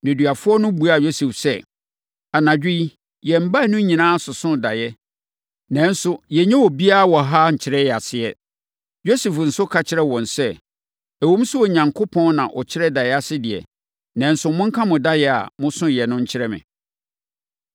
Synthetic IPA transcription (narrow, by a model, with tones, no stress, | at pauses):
nɛ̃˨dɥa˨fʊ˦ɔ˦nʊ̃˦bu˨a˦˨jo˦sɛ˨fsɛ˦ | a˨nã˨d͡ʑᶣɪ˦i˦ | jɛ˨m̩˨ba˦˨nʊ̃˦ɲĩ˨nãː˦sʊ˨sʊ̃˦˨da˨jɛ˦ | nɛ̃˨˦n˦sʊ˦jɛ˨ɲɛ̃˦wɔ˨bi˦a˦˨wɔ˨ɦa˦ɲ̩˨t͡ɕʰɪ˨ɾɛ˦jɛ˨a˨sɪ˨ɛ˦ | jo˦sɛ˨fn̩˨sʊ˦kʰa˨t͡ɕʰɪ˦ɾɛ˦wɔ̃˨nsɛ˦ | æ˨wõ˦m˦sʊ˦ɔ˨ɲã˨ŋkʰo˦pʰɔ̃˦nnã˨ʔɔ˨t͡ɕʰɪ˦ɾɛ˦da˨jɛ˦a˦sɪ˦dɪ˨ɛ̰˨ | nɛ̃˨˦n̩˦sʊ˨mʊ̃˦ŋ̩˦kʰã˦mʊ̃˨da˦jɛ˦a̰˨mʊ̃˦sʊ̃˦jɛ˨nʊ̃˦ɲ̩˦t͡ɕʰɪ˦ɾɛ˦mɪ̰̃˨